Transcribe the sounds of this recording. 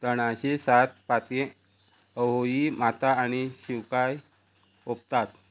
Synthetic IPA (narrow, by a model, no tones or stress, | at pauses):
t̪əɳaɕesat̪̚pat̪ẽ | əɦoimat̪aːñiɕiwkaj | op̚t̪at̪